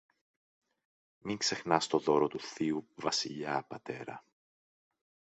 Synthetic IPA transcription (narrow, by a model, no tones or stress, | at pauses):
miŋkse̞xnɐst̪o̞ðo̞ɾot̪uθiuvɐsiʎɐpɐt̪e̞ɾɐ̰